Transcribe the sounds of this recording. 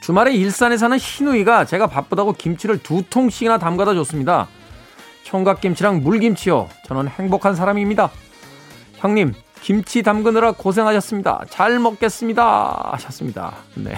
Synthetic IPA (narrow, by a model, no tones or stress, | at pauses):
t͡ɕumaɾe̞iɭs͈ane̞s̬ʰanɯnɕinuiɡat͡ɕe̞ɡapap̚p͈ɯdaɡokimt͡ɕʰiɾɯɭtutʰoŋɕ͈ʰiɡinatamɡadad͡ʑʌs͈ɯmɲida̰ | t͡ɕʰʌŋɡak͈imt͡ɕʰiɾaŋmuɭɡimt͡ɕʰijʌ̰t͡ɕʌnɯnhe̞ŋbokʰans̬ʰaɾamiːmɲida | çjʌŋɲim | kimt͡ɕʰitamɡɯnɯɾakos̬ʰe̞ŋɦaɕʰʌs͈ɯmɲida̰t͡ɕaɭmʌk̚k͈e̞s͈ɯmɲida̰a̰ɕʰʌs͈ɯmɲida̰ne̞̰